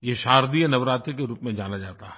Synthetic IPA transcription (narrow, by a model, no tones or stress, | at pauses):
jeʃaːɾd̪iənɐʋɾaːt̪ɾikeɾuːpmẽd͡ʒaːnad͡ʒaːt̪aɦɦɛ